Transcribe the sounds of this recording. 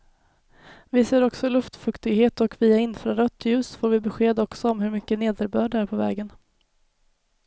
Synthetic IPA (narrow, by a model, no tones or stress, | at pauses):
vɪseːɾɔksɔlɵft̪fɵkt̪ɪɡheːt̪ɔkviːaɪnfɾaɾœt̪ʰːjʉ̟ːsfoːɾvɪbɛɧeːd̪ɔksɔɔmhɵɾmʏkːəneːd̪əɾbœːɖæɾpʰɔvɛ̰ːɡən